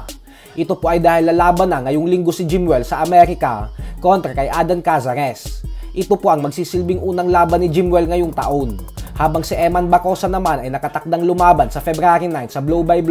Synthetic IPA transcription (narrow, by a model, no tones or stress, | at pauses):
ʔɪt̪o̞po̞ʔɐjd̪aːhɪlnɐlaːbɐnɐŋɐjoŋlɪŋɡo̞sɪd͡ʒɪmwɛlsɐʔɐmɛɾɪkɐ̰ko̞nt̪ɾɐkɐjʔaːd̪ɐnkasɐɾɛsʔɪt̪o̞po̞ʔɐŋmɐɡ̚siːsɪlbɪŋʔuːnɐŋlaːbɐnːɪd͡ʒɪmwɛlŋɐjoŋt̪ɐ̰ʔo̞nhaːbɐŋsɪʔɛmɐnbɐko̞sɐnɐmanɐjnɐkɐt̪ɐk̚d̪aŋlʊmaːbɐnsɐfɛbɾaːɾinajnsɐblowbajbl